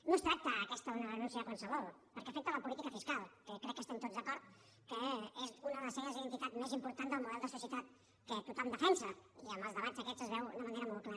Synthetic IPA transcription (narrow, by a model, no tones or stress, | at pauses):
nost̪ɾak̚t̪əːkɛst̪əunəðənũnsiakonsəβolpəɾkɛafɛk̚t̪ələpulit̪ikəfiskalˠkəkɾɛkːəst̪ɛmt̪ozðəkɔɾt̪ | kəezunəðələseɣəziðənt̪it̪at̪mezimpuɾt̪and̪əlˠmuðɛlˠd̪əsusjət̪at̪̚ | kət̪ut̪amd̪əfɛnsəiamazðəβanzəkɛt͡səzβɛwunəməneɾəmolˠkla